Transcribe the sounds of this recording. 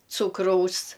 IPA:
ˈt͡suːkrɐʊs

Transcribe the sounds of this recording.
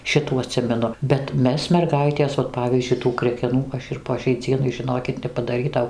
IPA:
ˈʃʲɪtuː ɐˈtʲsʲɪmʲɛnʊ bʲɛt ˈmʲɛs mʲɛrˈɡɐɪtʲeːs ʋɐt ˈpɑːʋʲiːzʲd͡ʒʲʊɪ tuː krʲɛkʲɛˈnuː ˈɐʃ ɪr poː ʃʲɛɪ ˈd͡zʲiɛnɐɪ ʒʲɪˈnoːkʲɪt nʲɛpɐdɐˈrʲiːtɐʊ

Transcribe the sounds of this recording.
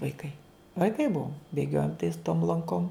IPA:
ʋɐɪˈkɐɪ ʋɐɪˈkɐɪ ˈbʊʋoːm bʲeːˈɡʲoːjoːm tɐɪs toːm lˠɐŋˈkoːm

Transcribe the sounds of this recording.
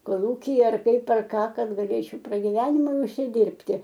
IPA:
koːˈlˠuːkʲiːjɛ ɐr ˈkɐɪp ɐr ˈkɑː ˈkɐt ɡɐˈlʲeːt͡ʃʲɛʊ prɐɡʲɪˈʋʲæːnʲɪmʊɪ ʊʃʲsʲɪˈdʲɪrʲpʲtʲɪ

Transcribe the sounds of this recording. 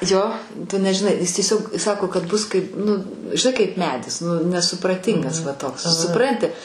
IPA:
ˈjoː ˈtʊ ˈnʲæːʒʲɪˈnɐɪ ˈjɪs tʲiɛˈsʲoːk ˈsɑːkoː kɐt ˈbʊs kɐɪp ˈnʊ ʒʲɪˈnɐɪ kɐɪp ˈmʲæːdʲɪs ˈnʊ nʲɛsʊprɐˈtʲɪŋɡɐs ʋɐ ˈtoːks sʊˈprɐnʲtʲɪ

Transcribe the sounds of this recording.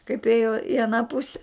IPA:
kɐɪp ˈeːjoː ɪ ɐˈnɑː ˈpʊsʲɛ

